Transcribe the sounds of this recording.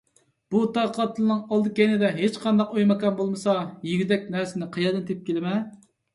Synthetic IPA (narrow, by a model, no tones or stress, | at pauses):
b̥ut̪ʰɑqʰɑt̪ʰɨlˠɨnɨŋɑlˠd̪ɨkʲɛjnɪd̪ɛɦet͡ʃqʰɑnd̪ɑqojmɨkɑnbolˠmɨsɑjiɡʲyd̪ɛk̚ʲnæɾsɪnɪqʰɑjɑd̪ɨnt̪ʰep̚kʲelɪmɛ